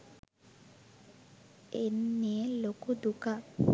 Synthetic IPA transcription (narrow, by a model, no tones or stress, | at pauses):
enːielokud̪uka